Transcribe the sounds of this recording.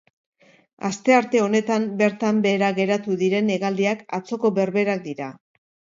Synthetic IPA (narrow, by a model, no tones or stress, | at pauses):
ast̪e̞aɾt̪e̞o̞ne̞t̪ambe̞ɾt̪ambe̞ːɾaɣe̞ɾat̪uðiɾe̞ne̞ɣald̪iakat͡so̞ko̞βe̞ɾβe̞ɾak̚d̪iɾa